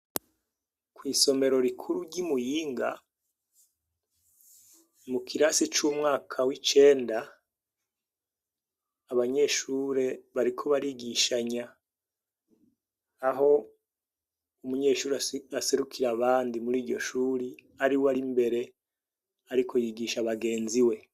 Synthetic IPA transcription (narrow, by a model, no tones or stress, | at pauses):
kwiːso̞me̞ɾo̞ɾikʰuɾuɟimujiːŋɡa̰ | mukʰiɾasit͡ʃuːmŋaːkʰawit͡ʃe̞ːnda | βaɲe̞ʃuːɾe̞βaɾikʰo̞βaɾiɡiʃaɲa | ɦo̞ | umuɲe̞ːʃuːɾaase̞ɾukʰiɾaβaːndimuɾiːɾɟo̞ʃuːɾi | aɾiwaɾimbe̞ɾe̞ | aɾikʰo̞jiɡiʃaβaɡe̞ːnziwe̞